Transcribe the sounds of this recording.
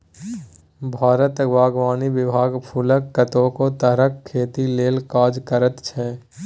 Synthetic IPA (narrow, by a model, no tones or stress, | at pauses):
bʱaːɾət̪əɡʋaːɡʋaːniʋɪbʱaːɡpʰuləkːət̪õkot̪əɾəkʰːeːt̪ileːlkaːd͡ʒkəɾət̪t͡ʃʰɛ